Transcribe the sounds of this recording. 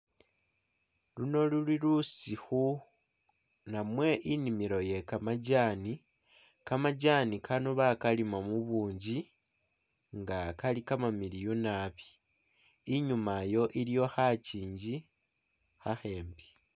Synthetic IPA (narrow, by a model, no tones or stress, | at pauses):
luno̞luliɾusixu | namwe̞ʔinimiɾoje̞kamaɟaːni | kamaɟaːnikʰanoβakalimamuβuːɲɟi | ŋɡakalikamamiɾijonaːβi̥ː | ɲumajo̞ʔiɾijo̞xaciːɲɟi | xaxe̞ːmbi̥